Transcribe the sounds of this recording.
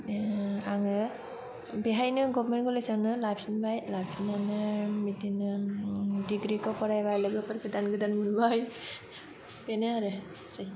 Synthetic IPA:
aŋɯ | beɦajnɯɡɔbmenɡɔlesanɯlap̚snbajlajbsinanɯmitinɯ | diɡɾikɔpɔɾajbajlɯɡɯpɯɾɡɯdanɡɯdanmunbaj | penɯaɾɯ | saj

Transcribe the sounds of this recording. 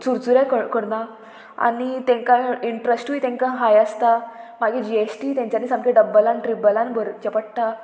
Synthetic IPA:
t͡suɾt͡suɾjakəkəɽna | a̰ñit̪ẽŋkaiɳʈɾesʈʋiːt̪ɛ̃ŋkãɦajəst̪amaɡʱed͡ʑiesʈit̪jãɲt͡ɕanisãŋkʰeɖəbːəlanʈɾibəlanbʱəɾt͡ɕəpəʈ̚t̪a

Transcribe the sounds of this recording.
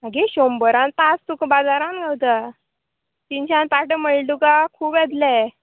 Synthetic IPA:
maɡeɕombəɾãnt̪ast̪ukbad͡zaɾãnɡʱawt̪a | t̪iɲt͡ɕãnt̪aʈəməɭɖuɡakʰuːbɛd̪lɛ

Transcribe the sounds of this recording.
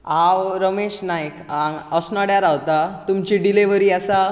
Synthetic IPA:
awɾəmeɕnajkãŋɡəsnaɽjaɾawt̪at̪umt͡ɕiɖileʋəɾiːasa

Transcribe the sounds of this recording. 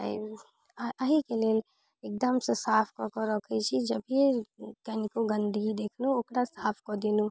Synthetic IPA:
əɦikeleːl | ek̚d̪əmsə̃saːpʰkɔkɔɾɔkʰɛt͡ʃʰid͡ʒəbʱiekənikoɡə̃nd̪ʱɡid̪ekʰnuokɾasaːpʰkɔd̪inu

